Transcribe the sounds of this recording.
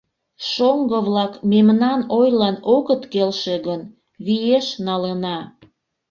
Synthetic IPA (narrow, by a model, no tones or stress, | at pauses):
ʃoŋɡəβlɑkmemnɑnojlɑnoɣət̪kelʃeɣən | βijeʃnɑlənɑ